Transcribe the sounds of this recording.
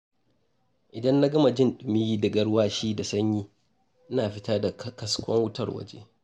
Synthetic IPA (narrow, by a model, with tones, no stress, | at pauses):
ʔɪ˨dɐ˦nːa˦ɡɐ˦ma˨d͡ʒɪ˦nɗʊ˨mɪ˦jiː˦dɐ˨ɡɐ˦ɽwaː˦ʃiː˦da˨sɐ˦ɲjiː˦ | ʔɪ˦naː˨ɸɪ˦taː˦da˨kɐ˦skʷɔ̰˦ŋwʊ˦tɐ˨rwɐ̰˦d͡ʒḛː˦